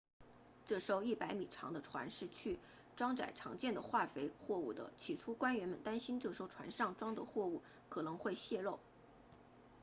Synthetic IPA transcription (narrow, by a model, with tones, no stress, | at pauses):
ʈ͡ʂɤ˥˩ʂo˥ʊi˥˩pa˧˥ɪmi˨˩ʈ͡ʂʰɑ̰˧˥ŋd̪ə˧ʈ͡ʂʰwa̰˧˥nʂɻ̩˥˧t͡ɕʰy˥˩ | ʈ͡ʂwɑ˥ŋʈ͡ʂa̰˨˩ɪʈ͡ʂʰɑ̰˧˥ŋt͡ɕjɛ˥˩nd̪ə˩xwa˥˩fe˧˥ɪxwɔ˥˧u˥˩d̪ə̰˩t͡ɕʰi˨˩ʈ͡ʂʰu˥kwa˥nɥɛ˧˥nmə˨nt̪a˥nɕi˥nʈ͡ʂɤ˥˩ʂo˥ʊʈ͡ʂʰwa̰˧˥nʂɑ˥˩ŋʈ͡ʂwɑ˥ŋd̪ə˨xwɔ˥˧u˥˩ | kʰɤ˨˩nɤ˧˥ŋxwe˥˧ɪɕjɛ˥˧lo˥˩ʊ